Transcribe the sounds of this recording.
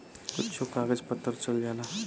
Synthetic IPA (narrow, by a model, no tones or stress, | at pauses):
kʊtːt͡ʃʰokaːɡəd͡ʒpət̪ːəɾt͡ʃəld͡ʒaːlaː